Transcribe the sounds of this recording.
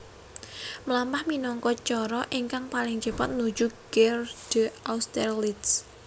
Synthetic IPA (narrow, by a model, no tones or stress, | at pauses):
məlampahminɔŋkɔt͡ʃɔɾɔʔiŋkaŋpalɪŋd͡ʒ̥ə̤pat̪̚nu̥d͡ʒuɡ̥ɛrd̥əaust̪ɛrlits